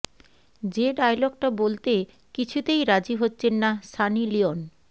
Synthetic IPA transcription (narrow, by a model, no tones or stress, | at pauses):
d͡ʑeɖajlɔɡ̚ʈabolt̪e | kit͡ɕʰut̪ejɾad͡ʑiɦotːɕʰenːasanilion